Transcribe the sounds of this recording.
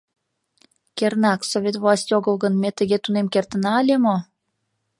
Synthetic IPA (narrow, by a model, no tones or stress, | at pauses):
kernɑksoβʲet̪vlɑsʲtʲoɣəlɣənmet̪əɣet̪unemkert̪ənɑːlʲemo